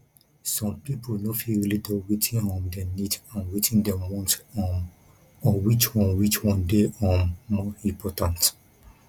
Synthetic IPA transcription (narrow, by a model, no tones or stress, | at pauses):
sɔ̃mpiponofilɹilidɔwetʰĩŋɔ̃mdɛnidãnwetʰĩŋdɛ̃mwɔ̃nt | ɔwit͡ʃwɔ̃nwit͡ʃwɔ̃ndeɔ̃mɔĩmpʰɔtãnt